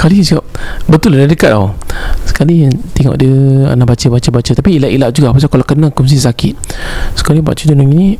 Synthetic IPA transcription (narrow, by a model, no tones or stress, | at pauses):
kalisikap̚bət̪ʊladadəkat̪̚o̰sə̥kalit̪ɛŋɔ̰ʔdiəa̰naʔbat͡ʃəbat͡ʃəbat͡ʃət̪apiːlaʔilaʔ̚d͡ʒuɡapas̬akalakənakums̬isakit̪̚sə̥kaliba̰ʔt͡ʃədunaŋinĩ